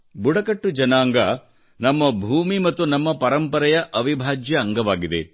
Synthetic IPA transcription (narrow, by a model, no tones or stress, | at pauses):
buɽɐkɐʈːud͡ʒɐnaːŋɡɐ | nɐmːɐbʱuːmimɐt̪ːunɐmːɐpɐɾɐmpɐɾɐjɐʔɐʋibʱaːd͡ʒjɐːŋɡɐʋaːɡid̪ḛ